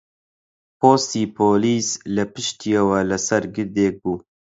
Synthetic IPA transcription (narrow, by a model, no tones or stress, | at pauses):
poːst̪iːpʰoːliːslɨpɨʃt̪iɐwɐlɐsɐɾɡɨɾd̪eːk̚buː